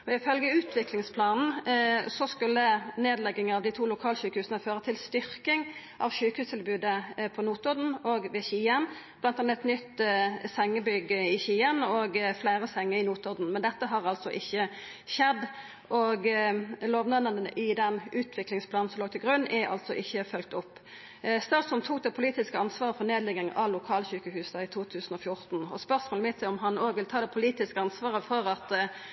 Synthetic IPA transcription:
ɔɪfœlɡəʉːt̪ʰʋɪklɪŋspʰlɑːnn̩sɔskʉlːəneːd̪lɛɡːɪŋɑʋd̪ɪt̪ʰuːlʊkʰɑːlɕʉːkəhʉːsənəføːʁət̪ʰɪlst̪ʏɾkɪŋʔɑʋʃʉːkəhʉːst̪ʰɪlbʉːd̪əpʰɔnuːt̪ɔʁd̪n̩ɔɡʋɛçiːənb̥lɑnt̪ɑnːəɛt̪nʏt̪ːsɛŋːəbʏɡəɪçiːənɔɡflæːɾəsɛŋːəɪnuːt̪ɔʁd̪n̩mɛnd̪ɛt̪ːəɦɑʁɑlt̪sɔʔɪçːə | ʃɛd̪ː | ʔɔɡloːʋnɑnːənənəʔɪd̪ɛnʉːt̪ʰʋɪklɪŋspʰlɑːnn̩sɔmloːɡ̚t̪ʰɪlɡʁʉnːʔæɾɑ̰lt̪sɔʔɪçːəfœlk̚t̪ʊpː | st̪ɑːsɔnt̪ʰuːk̚d̪ɛpʰʊliːt̪ɪskəɑnsʋɑːʁəfɔʁneːd̪lɪɡɪŋʔɑʋlʊkʰɑːlɕʉkəhʉːsɑɪt̪ʰuːt̪ʰʉːsn̩ɔfjʊʁt̪nɔ̰spœʁsmoːləmɪt̪sɛɪɔmɦɑnoːɡʋɪlt̪ʰɑːd̪ɛpʰʊliːt̪ɪskəɑnsʋɑːʁəfɔʁɑt̪

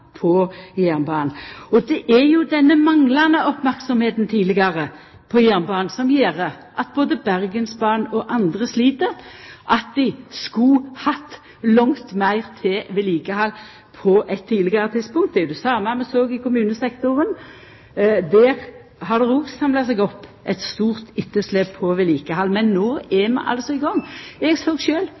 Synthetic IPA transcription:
pʰɔjæʁnbɑːnɔd̪ɛʔæɾjʊd̪ɛnːəmɑŋlɑnəʔɔpmæɾksɔmheːt̪n̩t̪ʰiːlɪɡɑʁə | pʰɔjæʁnbɑːnsɔmjeːɾə | ʔɑt̪̚boːd̪əbæʁɡənsbɑːnɔʔɑnd̪ʁəsliːt̪əɾʔɑt̪̚d̪ɪskʊhɑt̪ː | lɔŋt̪mæɪʁt̪ʰɪʋɪliːkəhɑl | pʰɔʔɛt̪ʰːiːd̪lɪɡəʁət̪ʰid̪spʊŋkt̪̚d̪ɛd̪ʉsɑːmɛmɛsoːɡɪkʊmʉːnəsɛkt̪ʊʁən | d̪æːʁ | hɑd̪ɛʁoːɡsɑmlɑsɛɡɔpː | ɛt̪st̪uːʁt̪ɪt̪ːəsleːpʰɔʋɪliːkəhɑlːmɛnːoːɛmɛ̰ʔɑ̰lsɔɪɡɔŋːɛɡsoːɡʃøːl

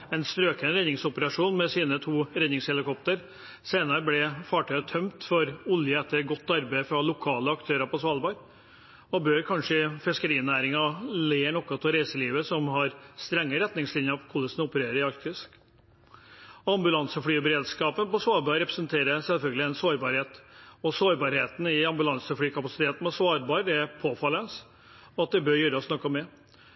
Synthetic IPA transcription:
ɛnst̪ɾøːkənəɾɛnɪŋsɔpəɾɑʂuːnmɛsiːnət̪ʰuːɾɛnɪŋshɛlɪkʰɔp̚t̪əɾ | seɪnɑɾəblɪfɑːʈʰœʏət̪ʰœmt̪fɔɾʊljəɛt̪ːəɾɡɔt̪ːɑɾbæɪfɾɑlʊkʰɑːləɑkt̪ʰøːɾɑpɔsʋɑlbɑɾ | ɔbøːɾkʰɑnʂəɪfɪskəɾiːnæːɾɪŋɑleːɳɔkːɑt̪ʰɪlɾæɪsəliːʋəsɔmɦɑɾst̪ɾɛŋːəɾɛt̪nɪŋslɪnjəɾɔʋkʰʊləsnʊpəɾeːɾəɾɪɑɾkt̪ʰɪsk | ɔɑmbʉlɑnsəfɽyːbəɾeːd̪skɑːpənpɔsʋɑːɾbɑɾɾɛpɾəsənt̪ʰeːɾəsɛlfœlɡəlɪɛnsoːɾbɑːɾheːt̪ɔsoːɾbɑːɾheːt̪ən̩ɪɑmbʉlɑnsəfɽyːkʰɑpɑsɪ̥t̪ʰeːt̪n̩pɔsʋɑːɾbɑːɾɛpʰoːfɑlːənəs | ɔɑt̪̚d̪ɛbøːɾjøːɾəɔsnɔkːɑmɛ

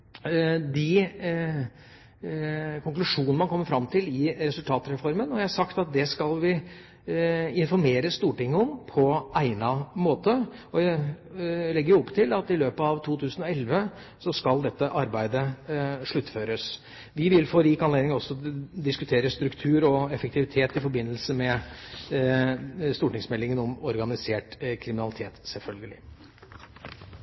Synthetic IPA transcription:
d̪ɪ | kʰʊŋklʉʂuːnəmɑnkʰɔmːəɾfɾɑmːt̪ʰɪlɪɾɛsʉlt̪ʰɑːt̪ɾɛfɔɾmənɔjæɪhɑsɑkt̪ɑt̪̚d̪ɛskɑlʋɪ | ɪnfɔɾmeːɾəst̪uːʈɪŋːəɔmpʰɔæɪnɑmoːt̪əɔdɛ | lɛɡːəɾjʊɔpːt̪ʰɪlɑt̪ɪløːpəɑʋt̪ʰuːt̪ʰʉːsən̩ɔɛlʋə | sɔskɑld̪ɛt̪ːəʔɑɾbæɪd̪əʂɭʉt̪ːføːɾəs | ʋɪʋɪlfoːɾiːkɑnleːd̪ɪŋɔsːɔd̪ɪskʉt̪ʰeːɾəst̪ɾʉkt̪ʰʉːɾɔɛfəkt̪ɪʋɪt̪ʰeːt̪ɪfɔɾbɪnːəlsəmɛ | st̪uːʈɪŋsmɛlːɪŋənɔmɔɾɡɑnɪseːʈkʰɾɪmɪnɑlɪt̪ʰeːt̪sɛlfœlɡəlɪ

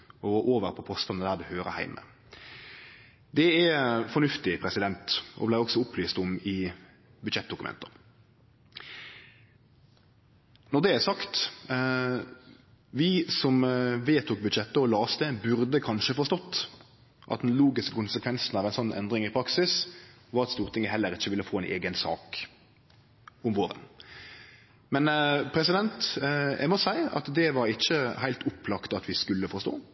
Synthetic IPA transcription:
ɔʔoːʋəɾpʰɔpʰɔst̪ɑnəd̪æːʁd̪ɛhøːɾə̰hæ̰ɪmə̰ | d̪ɛɛfɔnʉft̪ɪpʰɾɛsɪd̪ɛnt̪ʔɔ̰blæɪɔksɔʊplyːst̪ʊmɪ | bʉd̪ʃɛt̪̚d̪ʊkʉmɛ̰nt̪ə | nɔʁd̪ɛæsɑkt̪ | ʋɪsɔmʋeːt̪ʰuːk̚bʉd̪ʃɛt̪ːəɔlɑːst̪əbʉɾd̪əkʰɑnʃəfɔʁst̪ɔt̪ː | ʔɑ̰t̪̚d̪ɛnluːɡɪskəkʊnsəkʰʋɛnsnɑʋæɪnsɔnːʔɛ̰nd̪ɾɪŋɪpʰɾɑksɪs | ʋɑʁɑt̪st̪uːɾt̪ʰɪŋəɦɛlːəɾɪçːəʋɪlːəfoːɛɪnʔeːɡənsɑ̰ːk | ʊmʋoːɾə̰n | mɛnpʰɾɛsɪd̪ɛnt̪æ̰ɪmɔsæɪɑ̰t̪d̪ɛʋɑɾɪçːəhæɪlt̪ʰʊplɑkt̪ɑt̪ʋɪskʉlːəfɔʁst̪o̰ː

